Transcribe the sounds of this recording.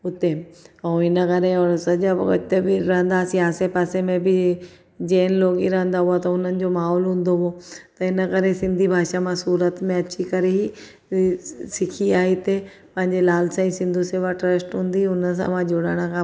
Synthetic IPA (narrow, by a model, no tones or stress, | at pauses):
ʊt̪ẽ | ɪnəkɐɾeɔːɾsɐd͡ʑaɐ̰ɪt̪ebɪɾɐ̃ɦə̃n̆d̪asiaːsepaːsemẽbɪ | d͡ʑeːnloːɡiɾɐɦə̃nd̪aɦuat̪ɐʊn̤ənɪ̆d͡ʑoːmaːɦɔːlɦũːn̆d̪oɦuot̪ɐɪnəkɐɾesɪ̃nd̪ʱibʱaːʃamãsuːɾət̪mẽɐt͡ɕikɐɾeɦi | sɪkʰiaːɦit̪e | pɐ̃ɦɪ̃ɲd͡ʑelaːlsãːĩsɪ̃nd̪ʱuseːʋaʈɾəsʈɦũːnd̪iʊnəs̬ã̰mãd͡ʑoɽəɽ̃əkʰãː